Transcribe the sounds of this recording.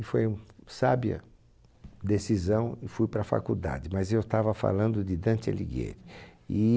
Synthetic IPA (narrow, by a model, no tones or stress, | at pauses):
ɪfojũsabiɐ̰ | d̪esizɐ̃w̃ɪfujpɾɐfa̰kud̪a̰d͡ʒɪmɐzewt̪avɐfa̰lɐ̃nd̪ʊd͡ʒɪd̪ɐ̃nt̪ɪa̰lḭɡḛɾɪɪ